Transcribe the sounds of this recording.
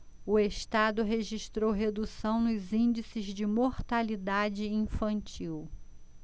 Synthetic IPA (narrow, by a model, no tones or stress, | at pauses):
ʊeʃt̪ad̪ʊɦeʒiʃt̪ɾowɦed̪usɐ̃w̃nʊzĩd͡ʒisɪzd͡ʒɪmoɾt̪alid̪ad͡ʒɪĩfɐ̃nt͡ʃiw